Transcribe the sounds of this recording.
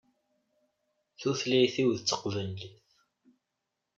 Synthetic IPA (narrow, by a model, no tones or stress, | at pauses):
θuθlijθiwðət͡sːə̥qvənliθ